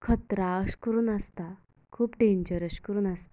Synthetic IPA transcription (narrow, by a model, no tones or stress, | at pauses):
kʰət̪ɾaəskəɾuːnast̪a | kʰuːpɖẽɲd͡ʑəɾəɕkəɾuːnast̪a